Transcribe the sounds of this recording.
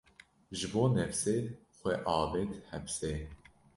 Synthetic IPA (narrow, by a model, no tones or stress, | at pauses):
ʒɨboːnɛfseː | xʷɛʔɑːbeːt̪hɛpseː